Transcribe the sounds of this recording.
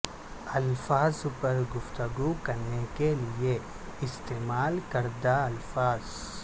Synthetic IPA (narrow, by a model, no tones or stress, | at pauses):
ɐlfʰaːzupɐɾɡuft̪ɐɡukɐnːekelije | ist̪eːmaːlkɐɾd̪aɐlfʰaːz